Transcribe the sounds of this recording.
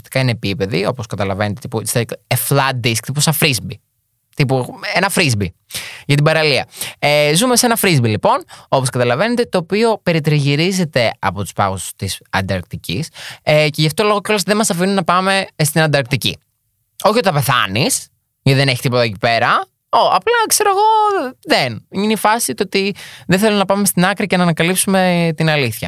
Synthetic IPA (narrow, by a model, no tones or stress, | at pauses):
st̪i̥kɐineːpipe̞ðio̞poskɐt̪ɐlɐvenet̪et̪ipust̪ɐkeflɐd̪isk̚t̪iposɐfɾizbi | t̪ipuenɐfɾizbiʝɐt̪ibɐɾɐliɐ̰ezume̞se̞nɐfɾizbilipo̞no̞poskɐt̪ɐlɐve̞ne̞t̪e̞t̪oːpio̞pe̞ɾit̪ɾiʝiɾize̞t̪e̞ɐpo̞t̪u̥spɐ̰ɣosst̪isɐ̰nd̪ɐɾk̚t̪icḭseceʝɐft̪o̞lo̞ɣoco̞leðemɐsɐfinunɐpɐme̞st̪inɐnd̪ɐɾk̚t̪icḭ | o̞çiot̪ɐpe̞θɐ̰nis | iðe̞ne̞çit̪ipo̞t̪ɐcipe̞ɾɐ | oɐplɐkse̞ɾo̞eɣo̞ðeninifɐsit̪oot̪iðeθelumnɐpɐme̞st̪inɐkɾicenɐːnɐkɐlipsume̞t̪inɐliθçɐ̰